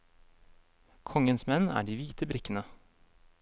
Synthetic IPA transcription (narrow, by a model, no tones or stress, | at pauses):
kʰɔŋənsmɛnæ̰ːɖiːʋiːt̪ʰəbɾɪkənə